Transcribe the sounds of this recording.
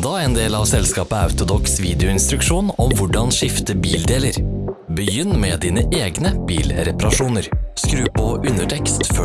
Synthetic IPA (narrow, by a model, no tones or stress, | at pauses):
d̪ɑːeːnd̪eːlɑʋsɛlskɑːpəɑ̰ʉt̪ʊd̪ɔksʋiːd̪ɪʊɪnst̪ɾʉkʂuːnɔmʋʊɖɑnʂɪft̪əbiːld̪eːləɾbəjʏnːmeːd̪iːnəʔeːɡnəbiːlɾɛpɑɾɑʂuːnəɾskɾʉːpʰɔʔʉnəʈʰɛkst̪fø